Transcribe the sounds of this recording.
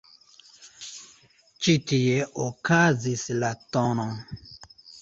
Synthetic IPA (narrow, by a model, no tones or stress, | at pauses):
t͡ʃitijɛʔokazislatɔ̃nɔ̃ŋ